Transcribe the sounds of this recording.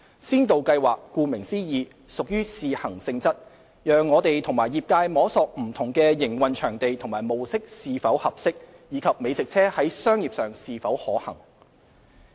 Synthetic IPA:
siː˥nt̪o˨wkɐ˧jwaː˨kːuː˧mɪ˨˩ŋsiː˥jiː˨˧ | sʊ˨k̚jyː˥siː˨hɐ˨˩ŋsɪ˧ŋt͡sɐ˥t̚ | jœː˨ŋːɔː˨˧t̪e˨jt̪ʰʊ˨˩ŋmaː˨˩jiː˨p̚kaː˧jmɔː˨˥sɔː˨˧k̚m̩˨˩t̪ʰʊ˨˩ŋkɛː˧jɪ˨˩ŋwɐ˨nt͡ʃʰœː˨˩ŋt̪e˨jt̪ʰʊ˨˩ŋmaː˨˩jmo˨wsɪ˥k̚siː˨fɐ˨˥whɐ˨p̚sɪ˥k̚ | jiː˨˧˥kʰɐ˨p̚me˨˧jt͡sɪ˨k̚t͡sʰɛː˥hɐ˨˥jsœː˥ŋjiː˨p̚sœː˨ŋsiː˨˧fɐ˨˥whɔː˨˥hɐ̰˨˩ŋ

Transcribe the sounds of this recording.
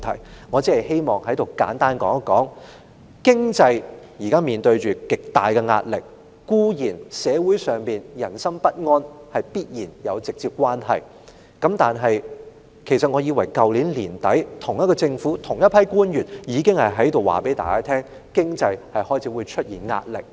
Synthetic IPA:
t̪ʰɐ̰˨˩jŋɔː˨˧t͡si˥hɐ˨˩jhe˥jmɔː˨ŋhɐ˨˥jt̪o˨˩wkaː˨˥nt̪aː˥nkɔ̰ː˨˥ŋ˥kɔ̰ː˨˥ŋ | kɪ˥ŋt͡sɐ˧j | ji˨˩kaː˥miː˨nt̪ɵ˧ɥt͡ʃyː˨kɪ˨k̚t̪aː˨jkɛ˧ŋa̰ː˧t̚lɪ̰˨k̚ː | uː˥jiː˨˩nsɛː˨˧wuː˨˥jsœː˨˩ŋpiː˨njɐ˨˩nsɐ˥mpɐ˥t̚ŋɔː˥nhɐ˨˩jpiː˥t̚jiː˨˩njɐ˨˧wt͡sɪ˨k̚t͡siː˧p̚kʷaː˥nɦɐ̰˨˩j | kɐ˨˥mt̪aː˨nɦɐ˨j | kʰe˨˩jsɐ˨t̚ŋɔː˨˧jiː˨˧wɐ˨˩jkɐ˨wliː˨˥nliː˨˩nt̪ɐ̰˨˥jt̪ʰʊ˨˩ŋjɐ˥t̚kɔː˧t͡sɪ˧ŋfuː˨˥t̪ʰʊ˨˩ŋjɐ˥tpʰɐ˥jkuː˥njyː˨˩njiː˨˧kɪ˥ŋhɐ˨jɦɐ˨˥jt̪o˨wa̰ː˨pe˨˥jt̪aː˨jkaː˥t̪ʰɛː˥ŋ | kɪ˥ŋt͡sɐ˧jhɐ˨jhɔː˥jt͡sʰiː˨˧˥wuː˨˧jt͡ʃʰɵ˥t̚jiː˨˩nŋa̰ː˧t̚lɪ̰˨k̚

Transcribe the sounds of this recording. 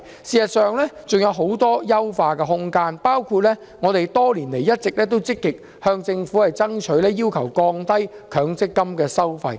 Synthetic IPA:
siː˨sɐ˨t̚sœː˨ŋlɛː˥t͡sʊ˨ŋjɐ˨˧wɦo˨˥wt̪ɔː˥jɐ˥wfaː˧kɛː˧ɦʊ˥ŋkaː˧npaː˥wkʰuː˧t̚lɛː˥ | ŋɔː˨˧t̪e˨jt̪ɔː˥liː˨˩nle˨˩jɐ˥t̚t͡sɪ˨k̚lɛː˥t̪̬o˥wt͡sɪ˥kːɪ˨k̚ | hœː˧ŋt͡sɪ˧ŋfuː˨˥hɐ˨jt͡sɐ˥ŋt͡ʃʰɵ˨˥ɥlɛː˥jiː˥wkʰɐ˨˩wkɔː˧ŋt̪ɐ˥jkʰœː˨˥ŋt͡sɪ˥kːɐ˥mkɛː˧sɐ˥wfɐ˧j

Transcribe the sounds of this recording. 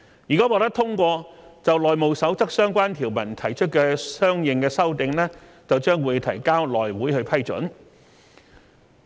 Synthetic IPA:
jiː˨kaː˨˥wɔː˧k̚t̪ɐ˥t̪ʰʊ˥ŋkʷɔː˧t͡sɐ˨wlɔː˨jmo˨wsɐ˨˥wt͡sɐ˥k̚sœː˥ŋkʷaː˥nt̪ʰiː˨˩wmɐ˨˩nt̪ʰɐ˨˩jt͡ʃʰɵ˥t̚kɛː˧sœː˥ŋjɪ˨ŋkɛː˧sɐ˥wt̪ɪ˨ŋlɛː˥ | t͡sɐ˨wt͡ʃœː˥ŋwuː˨˧jt̪ʰɐ̰˨˩jkaː˥wlɔː˨jwuː˨˥jhɵ˧ɥpʰɐ˥jt͡ʃɵ̰˨˥n

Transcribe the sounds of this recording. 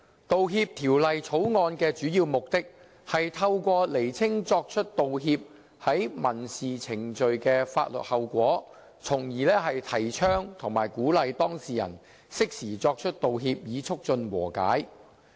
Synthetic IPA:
t̪o˨wɦiː˧p̚t̪ʰiː˨˩wlɐ˨jt͡sʰo˨˥wŋɔː˧nkɛː˧t͡ʃyː˨˥jiː˧wmʊ˨k̚t̪ɪ˥k̚ | hɐ˨jt̪ʰɐ˧wkʷɔː˧le˨˩jt͡sʰɪ˥ŋt͡sɔː˧k̚t͡ʃʰɵ˥t̚t̪o˨wɦiː˧p̚ | hɐ˨˥jmɐ˨˩nsiː˨t͡sʰɪ˨˩ŋt͡ʃɵ˨ɥkɛː˧faː˧t̚lɵ̰˨t̚hɐ˨wkʷɔː˨˥ | t͡sʰʊ˨˩ŋjiː˨˩lɛː˥ɦɐ˨jt̪ʰɐ˨˩jt͡ʃʰœː˥ŋt̪ʰʊ˨˩ŋma̰ː˨˩jkuː˨˥lɐ˨˧jt̪ɔː˥ŋsiː˨jɐ̰˨˩n | sɪ˥k̚siː˨˩t͡sɔː˧k̚t͡ʃʰɵ˥t̚t̪o˨wɦiː˧p̚jiː˨˧t͡sʰʊ˥k̚t͡ʃɵ˧nwɔ̰ː˨˩ka̰ː˨˥j

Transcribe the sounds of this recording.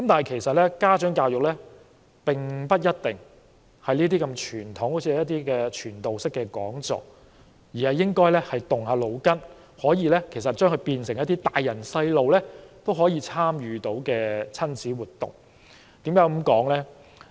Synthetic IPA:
kɐ˦mt̪aː˨nɦɐ˨jkʰe˨˩jsɐ˨t̚lɛː˥kaː˥t͡ʃœː˨˥ŋkaː˧wjʊ˨k̚lɛː˥ | pɪ˨ŋpɐ˥t̚jɐ˥t̚t̪ɪ˨ŋ | hɐ˨jniː˥t̪iː˥kɐ˧mt͡ʃʰyː˨˩nt̪ʰʊ˨˥ŋho˨˥wt͡sʰiː˨˧˥jɐ˥t̪iː˥kɛː˧t͡ʃʰyː˨˩nt̪o˨wsɪ˥kːɛː˧kɔː˨˥ŋt͡sɔ̰ː˨k̚ | jiː˨˩hɐ˨jːɪ˥ŋkɔː˥jlɛː˥hɐ˨jt̪ʊ˨˩ŋhaː˧lo˨˧wkɐ˥n | hɔː˨˥jiː˧lɛ˥kʰe˨˩jsɐ˨t̚t͡ʃœː˥ŋkʰɵ˧ɥpiː˧nsɪ˨˩ŋjɐ˥t̪ːiː˥t̪aː˨jːɐ˨˩nsɐ˧jlo˨wlɛː˥t̪o˥wɦɔː˨˥jiː˧t͡sʰaː˥mjyː˨˧t̪o˨˥wkɛː˧t͡sʰɐ˥nt͡siː˨˥wuː˨t̚t̪ʊ̰˨˩ŋ | t̪iː˨˥mkaː˨˥wɐ˨˥mkɔː˨˥ŋlɛː˥

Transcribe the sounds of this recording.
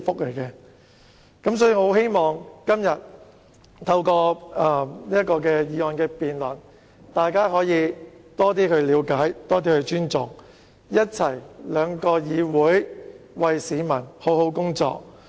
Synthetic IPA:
fʊ˥k̚le˨˩jkɛː˧ | kɐ˨˥msɔː˨˥jiː˨˧ŋho˨˧˥wɦe˥jmɔː˨ŋkɐ˥mjɐ˨t̚ | t̪ʰɐ˧wkɔː˧ɐ˧˩niː˥ɐt̚kɔː˧kɛː˧jiː˨˧ŋɔː˨˧nkɛː˧piː˨nlɐ˨˩n | t̪aː˨jkaː˥ɦɔː˨˥jiː˨˧t̪ɔː˥t̪̬iː˥kɵ˧ɥliː˨˧wkaː˨˥jt̪ɔː˥t̪iː˥kɵ˧ɥt͡ʃyː˥nt͡sʊ˨ŋ | jɐ˥t̚t͡sʰɐ˨˩jlœː˨˧ŋkɔː˧jiː˨˧wuː˨˥jwɐ˨jsiː˨˧mɐ˨˩nho˨˥who˨˥wkʊ˥ŋt͡sɔ̰ː˧k̚

